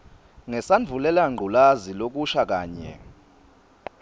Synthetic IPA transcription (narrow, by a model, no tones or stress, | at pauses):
ŋɛsand͡vʱulɛlaŋ͡ǃʱulazilok̬ʼuʃak̬ʼaːɲɛ̰